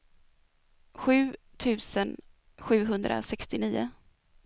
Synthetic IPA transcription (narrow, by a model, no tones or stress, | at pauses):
ɧʉ̟ː | t̪ʰʉ̟ːsən | ɧʉ̟ːɦɵnd̪ɾʔa̰sɛkst̪ɪniːʊ̰